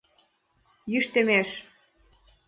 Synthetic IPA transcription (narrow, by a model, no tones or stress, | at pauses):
jyʃt̪ĕmeʃ